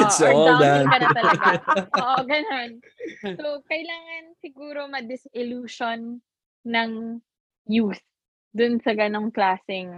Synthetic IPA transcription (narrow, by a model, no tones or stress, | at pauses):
ɪsld̪aɐnɐ̃t̪ɐlɐɡʔoʔoɡɐnon | sokɐjlaːŋɐnsɪɡuːɾo̞mɐd̪ɪsɪluːʃonː | ɐŋ | juːs | d̪ʊnsɐɡɐno̞ŋklaːsɪŋ